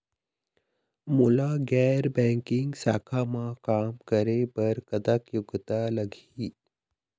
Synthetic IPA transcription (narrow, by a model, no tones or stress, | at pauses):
mulaɡɛɾbɛ̃ŋkɪŋɡsa̰ːkʰamãkaːmkəɾebəɾkəd̪akjʊɡt̪aləɡʱiː